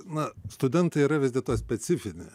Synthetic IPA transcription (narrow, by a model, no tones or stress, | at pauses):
nɐst̪ʊd̪ʲɛnt̪ɐɪiːɾɐʋʲɪzd̪ʲɪlˠt̪oːjsʲpʲɛsʲɪfʲɪnʲɪ̰